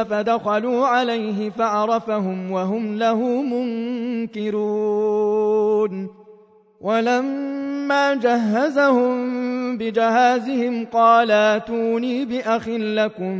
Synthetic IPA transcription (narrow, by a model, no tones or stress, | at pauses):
fad̪axaluːʕalajɦɪfaʕɑɾˤɑfaɦʊmwaɦʊmlahʊːmʊŋkɪɾuː | n | wʔalamːaːd͡ʒaɦːazahʊmbɪd͡ʒɪhaːzɪhɪmqɑːlaʔt̪uːniːbɪʔaxɪlːakʊm